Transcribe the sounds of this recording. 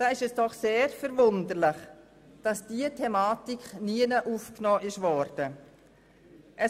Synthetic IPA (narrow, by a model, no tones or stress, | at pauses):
d̥aːɪʃɛsd̥ɔχseːɾfɛɾvʊndəɾlɪχ | d̥ɑsd̥iətʰɛmaːtikχniənəʔuːfknɔːʔɪʃvɔɾd̥ə | ʔə